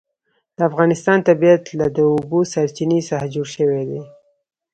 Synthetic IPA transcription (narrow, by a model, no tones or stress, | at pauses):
d̪̥əafɣɑnɪst̪ɑnt̪abijat̪lad̪əubosaɾt͡ʃinesaxad͡ʒoɽʃəwed̪e